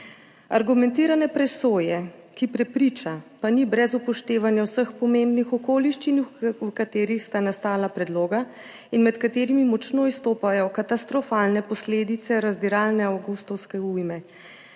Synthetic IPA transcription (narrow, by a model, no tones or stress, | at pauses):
a̰ɾɡumɛnt̪iːɾanɛpɾɛsoːjɛkipɾɛpɾiːt͡ʃapanibɾɛzupɔʃt̪eːʋanjawsəxpɔmembnixɔkoːliʃt͡ʃinwkat̪eːɾixst̪anast̪aːlapɾɛd̪loːɡa | inmɛt̪kat̪eːɾimimɔt͡ʃnoːist̪oːpajɔkat̪ast̪ɾɔfaːlnɛpɔsleːd̪it̪sɛɾazd̪iɾaːlnɛawɡust̪ɔwskɛujmɛ